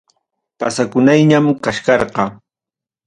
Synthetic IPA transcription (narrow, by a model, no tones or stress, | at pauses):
pasakʊnajɲamkaʃkɑɾɢɑ